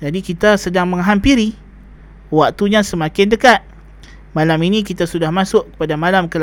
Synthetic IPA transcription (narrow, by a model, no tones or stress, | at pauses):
d͡ʒadikit̪asədaŋməŋɦampiɾi | wak̚t̪uɲãsəmakɪndəkat̪̚ | malaminĩkit̪asudahmasʊʔkə̥padamalamkəl